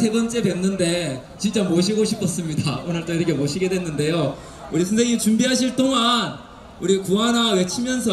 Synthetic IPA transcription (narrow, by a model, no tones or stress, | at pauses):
sʰe̞ɡʌnt͡ɕ͈edwe̞nːɯnde̞ | t͡ɕint͡ɕ͈amoɕʰiɡoɕʰipʰʌs͈ɯmɲidaonɯɭt͈oiɾʌkʰe̞moɕʰiɡe̞dwe̞nːɯnde̞jo | uɾisʰʌnsʰeŋit͡ɕumbiɦaɕ̬ʰiɭt͈oŋan | uɾikuanawe̞t͡ɕʰimjʌns̬ʰʌ